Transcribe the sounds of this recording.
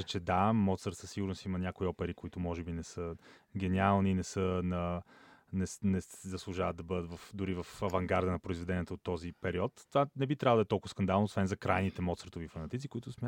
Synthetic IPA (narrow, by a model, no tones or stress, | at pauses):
ət͡ʃɛd̪amɔt̪səɾt̪səsiɡʊɾnʊsimɐnʲjakoiɔpɛɾikoit̪ʊmɔʒɛbinɛsəɡ̟ɛnialˠninɛsənɐ | nɛsnɛszɐslˠʊʒavət̪̚d̪ɐbɤd̪ət̪vɐfd̪ʊɾivɐfɐvɐŋɡaɾd̪ənɐpɾoizvɛd̪ɛnijɛt̪əot̪ːɔzipɛɾiɔt̪ːvanɛbit̪ɾʲavəd̪ɛt̪ɔlˠkʊvɐskɐnd̪alˠnosvɛnzɐkɾajnit̪ɛmɔt̪səɾt̪ovifɐnɐt̪it̪ikʊit̪ʊsmʲja